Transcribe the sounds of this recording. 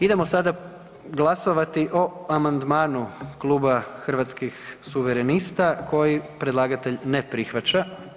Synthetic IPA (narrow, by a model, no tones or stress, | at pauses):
id̪e̞mo̞sad̪a | ɡlˠaso̞ʋat̪iʔo̞amand̪maːnuklˠuːbaxr̩ʋat̪skixsuʋeɾenist̪akʰo̞jipɾe̞d̪lˠaːɡat̪e̞ʎnepɾixʋat͡ʃa